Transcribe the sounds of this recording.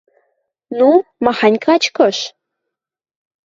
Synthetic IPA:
numɑxɑnʲkɑt͡ɕkɤ̆ʃ

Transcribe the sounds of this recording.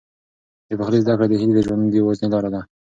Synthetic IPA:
d̪əpaxlezd̪akɽed̪əɦilid̪əʒwand̪jawaznelɑɾad̪a

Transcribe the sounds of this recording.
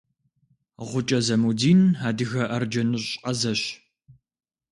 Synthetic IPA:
ʁʷʊt͡ʃʼɐzɐmudiːnaːdɨɣɐʔɐrd͡ʒɐnuɕʼqɐzɐɕ

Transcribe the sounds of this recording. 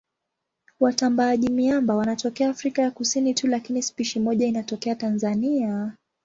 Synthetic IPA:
watambaːʄimiambawanatɔkɛaːfɾikajakusinitulakinispiʃimɔʄainatɔkɛatanzania

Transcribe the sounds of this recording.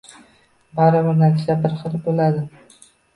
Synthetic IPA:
baɾɪbɪɾnat̪ʰɪ̥ʃlabɪɾχɨlbolad̪ɪ

